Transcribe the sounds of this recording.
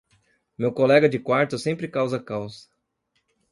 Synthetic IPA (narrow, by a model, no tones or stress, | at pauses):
mewkolɛɡɐd͡ʒɪkwaɾt̪ʊsẽmpɾɪkawzɐkawzɐ̥